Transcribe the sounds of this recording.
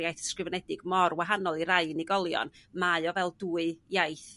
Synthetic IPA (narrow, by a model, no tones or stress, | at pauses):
jajθskrɨvɛnɛdɪɡ̥mɔrwaɦanɔlˠiɾaɨniɡɔlˠjɔ̰nmaɨɔvɛlˠduːɨjajθ